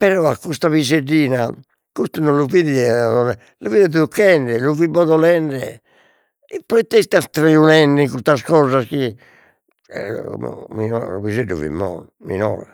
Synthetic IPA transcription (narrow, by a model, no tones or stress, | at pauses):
pɛɾɔakːust̪aβizeɖːiːna | kust̪unonluviðɛɔɛ | luviːðɛðukːɛɳɖɛluvibɔðɔlɛɳɖɛ̰ | ipːɔet̪ːest̪ast̪ɾeunɛɳɖiŋkust̪askɔzaski | minɔ̰ṵβizeɖːṵvḭmːɔ̰n | mḭnɔ̰ːɾa